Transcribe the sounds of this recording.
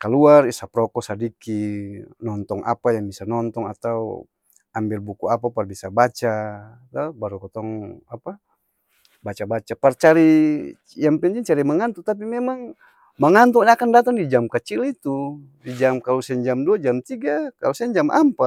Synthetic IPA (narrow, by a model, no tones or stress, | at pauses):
kaluarisapɾɔkɔsadikinɔnt̪ɔŋʔa̰pajaŋbisanɔnt̪ɔŋat̪aṵ | ambilbukuapaparbisabat͡ʃa | t̪abaɾukɔt̪ɔŋapa | bat͡ʃabat͡ʃapart͡ʃaɾi | jaŋpɛɲt̪ɛŋt͡ʃaɾimaŋant̪ut̪ap̬imɛmaŋ | maŋant̪̬uɲakandat̪̬aŋdid͡ʒamkət͡ʃilit̪u | did͡ʒamkalusɛɲd͡ʒamduad͡ʒamt̪iɡakalusɛɲd͡ʒamʔa̰mpa